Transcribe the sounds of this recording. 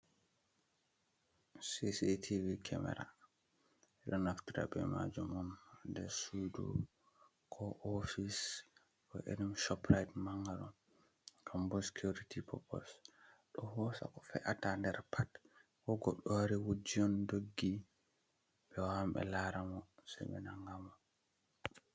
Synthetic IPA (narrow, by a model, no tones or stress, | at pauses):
sisitʰivikʰɛmɛ̰ɾa̰ | ɛɗɔnaftiɾa̰bɛma̰d͡ʒumɔndɛsudṵ | kʰɔʔofis | kɔʔḛɗimʃɔpɾajtmaŋɡaɾɔ | kʰambɔsi̥kʰuɾitipʰɔpɔ̰lsɗɔhɔsa̰kɔ̥fɛʔatandɛɾpʰat | kɔɡɔɗɔwaɾiwud͡ʒːijɔndoɡːi | ɓɛwambɛ̰laɾamɔsɛ̰ɓɛ̰naŋɡamɔ